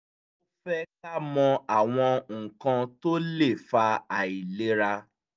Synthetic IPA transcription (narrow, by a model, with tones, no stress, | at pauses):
o˦fɛ˦k̚a˦mɔ̃˧a˨w̃ɔ̃˧ŋ̩˨kã˧to˦le˦˨fa˧a˨i˨le˨˦ɾa˧